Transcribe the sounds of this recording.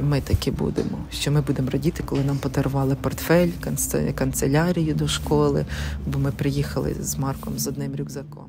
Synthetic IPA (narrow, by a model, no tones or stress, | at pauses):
mɪt̪ɐkʲibṵd̪ḛmɔʃt͡ʃɔmɪbud̪emɔɾɔdʲit̪ɪ̥kɔlˠɪnɑmpɔd̪ɐɾʊʋɑlˠɪpɔrt̪fɛlʲkɐnkɐnt̪selʲɑɾʲijʊd̪ɔʃkɔlˠɪ̰bɔmɪpɾɪjixɐlˠɪ̰zmɑrkɔmzɔd̪nɪmɾʲuɡzɐkɔ̰m